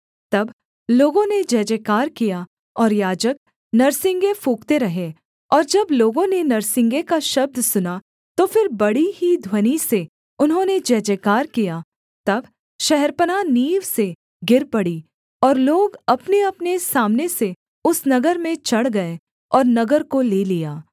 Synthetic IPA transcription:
t̪ɐb | loːɡõned͡ʒɛːd͡ʒekaːɾkija | ɔːɾjaːd͡ʒək̚ | nɐɾsɪ̃ŋɡefuːkt̪eɾɐɦe | ɔːɾd͡ʒɐbloːɡõnenɐɾsɪ̃ŋɡekaʃɐb̚d̪sʊna | t̪ofɪɾbɐɽihid̪ʱwɐnise | ʊnɦõned͡ʒɛːd͡ʒekaːɾkija | t̪ɐb | ʃɛɦɛɾpənaniːʋse | ɡɪɾpɐɽi | ɔːɾloːɡɐpneɐpnesaːmnese | ʊsnɐɡəɾmẽt͡ʃɐɽɡɐe | ɔːɾnɐɡəɾkoleːlijaː

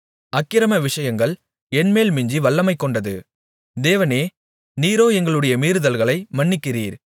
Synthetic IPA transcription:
ɐkːɪɾɐmɐʋɪʂɐjɐŋɡɐɭ | ɛnmeːlmɪɲd͡ʒiʋɐɭːɐmɐɪkːɔɳɖɐðɯ̰ | d̪eːʋɐneː | niːɾoːɛŋɡɐɭɯɽɐjɐmiːɾɯðɐlɣɐɭɐɪmɐɳːɪkːɪriːɾ

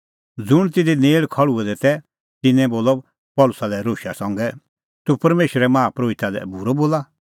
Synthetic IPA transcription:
d͡zʊɽ̃t̪̬ɪd̪ineːɭkʰɔɭuɛd̪ɛt̪ɛ | t̪ɪnɛ̃boːlɔ | pɔːlʊsalɛɾoːʃa̰sɐ̃ŋɡɛ | t̪upɐɾmeːʃɾɛmãːpɾoːɪt̪alɛ̰buɾɔboːla

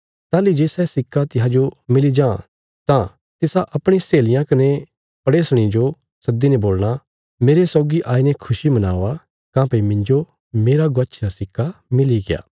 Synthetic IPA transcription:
t̪aːlid͡ʒeːsɛsɪkʰːat̪ɪɦad͡ʒomɪlid͡ʒãː | t̪ã | t̪ɪsaʔɐpɽ̃ĩseːlɪjãkɐne | pɐɽeːsɽ̃ĩd͡ʒo | sɐd̪inɛboːlɽ̃a | meːɾesɔːɡiʔaːinɛkʰʊsimɐna̰ːʋa | kãːpɐimɪ̃ɲd͡ʒo | meːɾaɡɐt͡ʃʰɾasɪkʰːamɪliɡeja̰ː

